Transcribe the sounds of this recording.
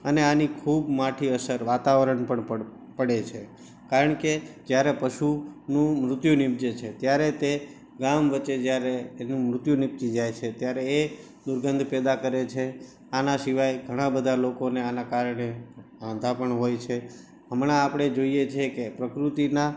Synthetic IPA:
əneanikʰubmaʈʰiəsəɾʋat̪aʋɾəɳpəɳə | pəɽet͡ʃʰe | kaɾəɳked͡ʒjaɾepəʃunũmɾʊt̪junɪp̚d͡ʒet͡ʃʰet̪jaɾet̪e | ɡamʋət͡ʃed͡ʒjaɾeenũmɾʊt̪junɪp̚t͡ʃid͡ʒajt͡ʃʰet̪jaɾeː | d̪ʊɾɡənd̪ʱpɛd̪akəɾet͡ʃʰe | anasiʋajɡʱəɽ̃ãbəd̪ʱalokoneanakaɾɳeãd̪ʱapəɳɦojt͡ʃʰe | ɦəmɽ̃aːpəɽ̃ed͡ʒoijet͡ʃʰekepɾəkɾut̪ina

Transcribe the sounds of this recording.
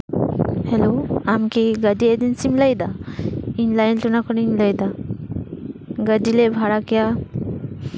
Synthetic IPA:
hɛloamkɛɡaɖiɛd̪insimlajd̪ainlajnʈɔnakʰɔninlajd̪a | ɡaɖilɛbʱaɽakɛja

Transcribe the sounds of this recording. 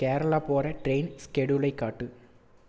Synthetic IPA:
keːɾɐɭaːpoːɾɐʈɾeɪnskɛɽulɐɪkːaːʈːɯ

